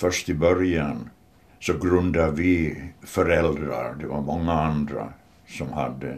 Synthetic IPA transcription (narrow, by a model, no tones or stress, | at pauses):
fœʂt̪ɪbœɾjan | sɔɡɾɵnd̪avɪfœɾɛld̪ɾa̰ɾd̪ɛvaɾmɔŋːaand̪ɾa̰ | sɔmhad̪ːə